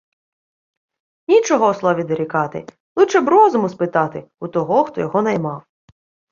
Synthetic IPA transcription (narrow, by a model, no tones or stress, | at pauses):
nʲit͡ʃɔɦɔslˠɔʋʲid̪ɐɾʲikɑt̪ɪ̰ | lˠuʃɛbɾɔzɔmʊspɪt̪ɑt̪ɪut̪ɔɦɔxt̪ɔjɔɦɔnɐjmɑw